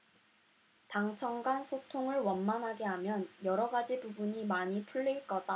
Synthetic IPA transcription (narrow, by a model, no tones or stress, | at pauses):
taŋt͡ɕʰʌŋɡansʰotʰoŋɯɭwʌnmanɦaɡe̞ɦamjʌnjʌɾʌɡad͡ʑibubuɲimaɲipʰuɭːiɭk͈ʌda